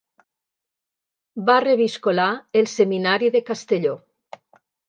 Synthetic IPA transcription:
bareβiskolaelˠseminaɾiðekast̪eʎo

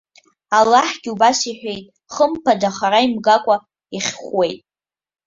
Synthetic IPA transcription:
alːaħɡ̥ʲubasiħʷᶣejtʼ | χəmpʰadaχaɾaimɡakʷʼa | iχʲχwe̞jtʼ

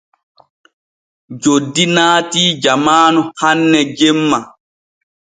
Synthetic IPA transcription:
d͡ʒodːinaːtiːd͡ʒamaːnuhanːɛd͡ʒemːa

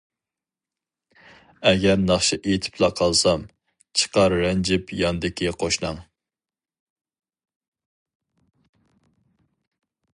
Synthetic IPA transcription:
ɛɡʲɛɾnɑχʃiʔet̪ʰɪ̥pʰlˠɑqʰɑlˠsɑm | t͡ʃʰə̥qɑɾːɛnd͡ʒɪpjɑnd̪ɪkʲʰiqʰoʃnɑŋ

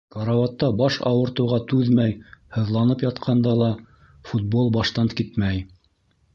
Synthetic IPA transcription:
kɑɾɑwɑt̪ːɑbɑʃɑ̰wɤ̆ɾt̪ɤ̆wʁɑt̪ʉðmæjhɤ̆ðlˠɑnɤpjɑt̪qʰɑnd̪ɑlˠɑ | fut̪̚bolˠbɑʃt̪ɑnkit̪mæj

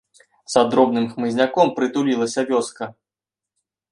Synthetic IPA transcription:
zad̪ɾɔb̚nɨmxmɨzʲnʲakɔmpɾɨt̪ulʲilˠɐsʲɐvʲɔskɐ

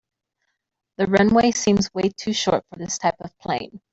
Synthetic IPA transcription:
ðɨɹʌ̃nweɪsĩmzweɪtʰʉʃɔ̰ɹtfə˞ðɪstʰaɪpʌv̥pʰl̥ẽɪ̃n

